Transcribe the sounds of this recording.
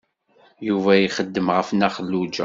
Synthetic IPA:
juvæjiχəd̪ːəmʁəfnæχəlːud͡ʒæ̰

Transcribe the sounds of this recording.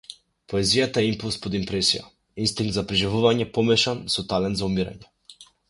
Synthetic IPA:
pɔɛzijat̪aɛimpulˠspɔd̪impɾɛsija̰ | inst̪iŋɡ̚t̪zapɾiʒivuvaɲɛpɔmɛʃansɔt̪alɛnt̪zaumiɾa̰ɲɛ

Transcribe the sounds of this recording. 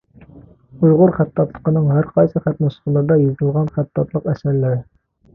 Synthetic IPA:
ujʁʊɾχæt̪ːɑt̪lˠə̥qənɨŋɦæɾqʰɑjsɨχæt̪musə̥χəlˠəɾd̪ɑjizt̪ɨlˠʁɑnχæt̪ːɑt̪lˠəqɛsæɾlɪɾɪ

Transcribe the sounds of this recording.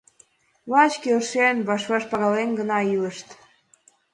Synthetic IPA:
βɑt͡ɕkeʃenβɑʃβɑʃpɑɣɑlenɡənɑiləʃt̪

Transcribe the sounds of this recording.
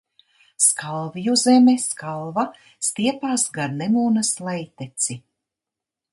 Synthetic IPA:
skalˠvijuzemeskalˠva | st̪iɛpaːsɡaɾnemuːnɐslˠɛjt̪et̪si

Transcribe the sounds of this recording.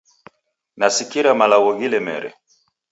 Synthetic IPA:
nasikiɾamalawɔɡilɛmɛ̰ɾɛ̰

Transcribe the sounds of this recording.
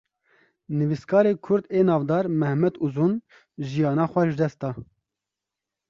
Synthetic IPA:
nɨviskʰɑːɾeːkʰʊɾd̪eːnɑːvd̪ɑːɾmɛhmɛd̪uzun | ʒijɑːnɑːxʷɛʒɨd̪ɛst̪̚d̪ɑː

